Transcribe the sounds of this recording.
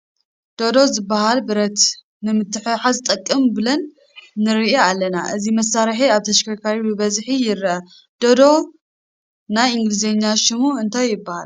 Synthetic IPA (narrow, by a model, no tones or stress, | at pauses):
d̪̥o̞d̪o̞zɨbːaɦalbɨɾɐt̪ | nɨmɨt̪ːɨħɨβħazt̪ʼɐkʼːɐmbɨlɐnː | ɨɾɨʔealːɐna̰ʔɨzimɐsaɾħiaβt̪ʰɐʃkʰakʰaɾibɨbɐzħijɪɾɐ | d̪̥od̪o̞ | najiŋɡlizeɲːaʃɪmuɨnt̪ʰajːɪbːaha̰l